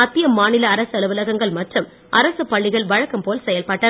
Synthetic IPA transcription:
ɐt̪ːɪjɐmːaːnɪlɐːɾɐsɐlɯʋɯlɐɣɐŋɡɐɭmɐʈrɯm | ʔɐɾɐsɯpːɐɭːɪɣɐɭʋɐɻɐkːɐmpoːlsɛjɐlpɐʈːɐ

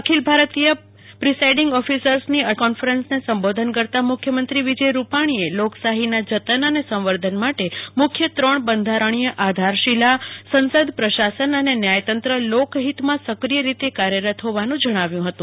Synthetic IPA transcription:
əkʰilbʱaɾt̪ijə | pɾisajɖiŋɡɔfisəɾsniəkɔnfəɾensnesəmbod̪ʱənkəɾt̪amʊkʰjəmə̃nt̪ɾiʋid͡ʒəjɾupaɽ̃ieloksaɦinad͡ʒət̪ənənesə̃mʋəɾd̪ʱənmaʈemʊkʰːjət̪ɾəɳbənd̪ʱaɾəɳ̃ijəʔad̪ʱaɾʃilasənsəd̪pɾəʃasənənenjajt̪ənt̪ɾəlokɦit̪mãsəkɾijəɾit̪ekaɾjəɾət̪ʰɦoʋanũd͡ʒəɽ̃aʋjũɦət̪ũ

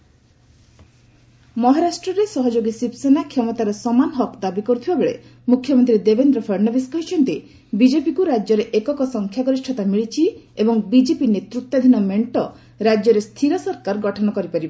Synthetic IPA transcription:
mɔɦaɾasʈɾɔɾesɔɦɔd͡ʒoɡisipsenakʰjɔmɔt̪aɾɔsɔmanɦɔkd̪abikɔɾut̪ʰibabeɭḛmukʰjɔmɔnt̪ɾid̪ebend̪ɾɔpʰɔɾnɔbiskɔɦit͡ʃʰɔnt̪i | bid͡ʒepikuɾad͡ʒjɔɾeʔekɔkɔsɔŋkʰjaɡɔɾisʈʰɔt̪amiɭit͡ʃʰiebɔŋbid͡ʒepinet̪ɾut̪ːɔad̪ʱinɔmeɳʈɔ | ɾad͡ʒjɔɾest̪ʰiɾɔsɔɾkaɾɡɔʈʰɔnɔkɔɾipaɾibe

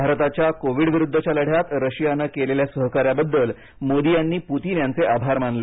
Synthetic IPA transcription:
aɾt̪at͡ɕjakoʋiɽʋiɾud̪ʱːət͡ɕjaləɽ̤jat̪ɾəɕijanəkeleljasəɦkaɾjabəd̪ːəl | mod̪ijanːiːput̪iːnjant͡seʔabʱaɾmanle

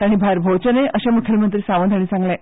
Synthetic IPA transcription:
aɽ̃ibʱaɾbʱəwt͡ɕəneʔəɕamuk̪ʰjəlmənt̪ɾiːsaʋə̃nd̪ʱaɽ̃isãŋɡla

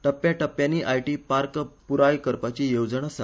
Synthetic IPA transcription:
ʈəpːjaʈəpjanːiːʔajʈiːpaɾkpuɾajkəɾpat͡ɕiːjowd͡zəɳasa

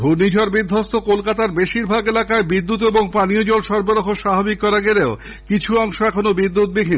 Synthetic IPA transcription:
bʱunid͡ʑʱɔɾbid̪ʱːost̪okolkat̪aɾbeʃiɾbʱaɡelakaebid̪ːut̪eboŋpaniod͡ʑolʃɔɾboɾokoʃabʱabikːɔɾaɡeleo | kit͡ɕʰuɔŋʃoɛkʰonobid̪ːut̪̚bikʰin

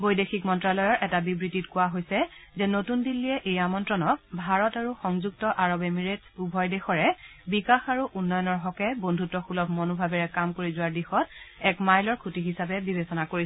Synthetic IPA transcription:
bojdexikmɔntɹalɔjɔɹʔɛtabibɹititkʊaɦojsɛzɛnotundilːiɛʔejamɔntɹɔnɔk̚bʱaɹɔtaɹuxɔŋzuk̚tɔʔaɹɔbɛmiɹetubʱɔjdexɔɹɛbikaxaɹuʔunːɔjɔnɔɹɦɔkɛbondʱutɔxulɔb̚ʰʱmonubʱabɛɹɛkamkoɹizʊwaɹdixɔtɛkmajlɔɹkʰutiɦisabɛbibʱesɔnakoisɛ

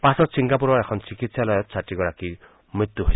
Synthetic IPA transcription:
pasɔsiŋkapuɾɔekʰɔnt͡ʃikit̪sjalɔjɔtt͡ʃʰaʈiɡɔɾaki | mɾit̪ːuɦe

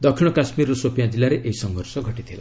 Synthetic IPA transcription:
d̪ɔkʰiɽ̃ɔkasmiɾɔsopjãd͡ʒilaɾeʔeɦisɔŋɡʱɔɾsɔɡʱɔʈit̪ʰila̰

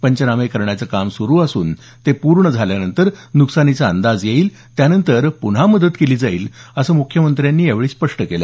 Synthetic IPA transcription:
pəɲt͡ɕənamekəɾɳjat͡səkamsuɾuːasuːn | t̪epuɾɳəd͡zʱaljanənt̪əɾnuksanit͡saənd̪ad͡zjeiːl | t̪janənt̪əɾpuɳ̤aməd̪ət̪keliːd͡zaiːləsəːmukʰjəmənt̪ɾjanːiːjeʋɭiːspəʂʈəkelḛ

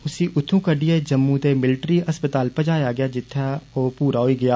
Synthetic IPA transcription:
ʊsiːʔʊt̪ʰːũːkəɖiːeːd͡ʒəmːũːt̪eːmɪlɪʈɾiːəspət̪aːlpəd͡ʒaːjaːɡɪjaːd͡ʒɪt̪ʰːaːoːpuːɾaːɦoiːɡɪjaː

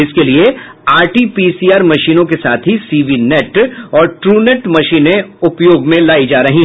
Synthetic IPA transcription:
ɪskelieaːɾʈiːpisiːaːɾmɐʃiːnõkesaːt̪ʰɦisiːʋinɛːʈɔːɾʈɾuːnɛʈmɐʃiːnẽʊpjoːɡmẽlaːid͡ʒaːɾɐɦĩ

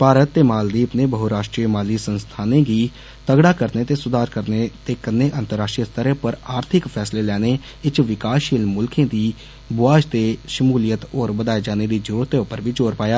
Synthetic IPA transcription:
paːɾət̪ːeːmaːld̪iːəpneːbəɦuːɾaːʃʈɾiːmaːliːsənst̪ʰaːnẽːɡiː | t̪əɡɽaːkəɾneːt̪eːsʊd̪aːɾkəɾneːt̪eːkənːeːʔənt̪əɾːaːʃʈɾiəst̪əɾeːpəɾaːɾt̪ʰɪkpʰɛːsleːlɛːneː | ɪt͡ʃʋɪkaːʃiːlmʊlkẽːd̪iː | bʊaːd͡ʒt̪eːʃəmuːlijət̪oːɾbəd̪aːeːd͡ʒaːneːd̪iːd͡ʒəɾuːɾt̪eːʊpəɾʋiːt͡ʃoːɾpaːjaː

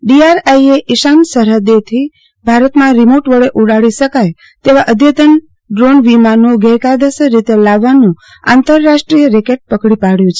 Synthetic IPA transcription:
ɖiaɾajeʔɪʃansəɾɦəd̪et̪ʰi | bʱaɾət̪mãɾimoʈʋəɭeʔuɽaɽiʃəkaj | t̪eʋaʔəd̪ʱjət̪ən | ɖɾonʋimanũɡəjkad̪əsəɾit̪elaʋːanũ | ã̰nt̪əɾːaʃʈɾijəɾekeʈ̚pəkɽipaɽjũt͡ʃʰe̥

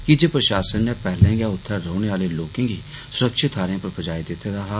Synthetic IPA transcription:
kɪd͡ʒeːpɾəʃaːsənːɛpɛːlẽːɡjaːʊt̪ʰːɛ̃ːɾoʊɽ̃eːaːleloːkɪ̃ːɡiː | sʊɾəkʃɪt̪ʰːaːɾẽãːpəɾbəd͡ʒaːid̪ɪt̪ʰːed̪aːɦaː

